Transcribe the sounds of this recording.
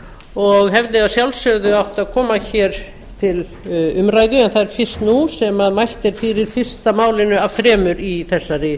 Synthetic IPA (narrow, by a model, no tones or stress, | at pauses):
ɔɣɦɛvðɪaðsjawlsœɣðʏawht̪aðkʰɔːmaçɛːɾ | t̪ʰɪl | ʏmɾajðʏɛnθaðɛɾ̥fɪr̥st̪nusɛmaðmajh̪t̪ɛɾ̥fɪɾɪɾ̥fɪr̥st̪amaːwlɪnʏav̥θɾɛːmʏɾiθɛsːarɪ